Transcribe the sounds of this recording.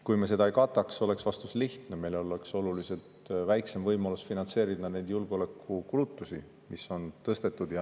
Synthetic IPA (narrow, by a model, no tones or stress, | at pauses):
kujmese̞d̪ɑejkɑt̪ːˑɑkso̞le̞ksvɑst̪usliht̪neme̞jleolekso̞lulise̞lt̪væjkse̞mvɤjmɑlusfinɑnt̪se̞ːɾid̪ɑne̞jd̪̥julɡ̥eo̞le̞kʰːˑukulut̪ːˑusi | miso̞nt̪ɤst̪e̞t̪ːˑud̪̥jɑ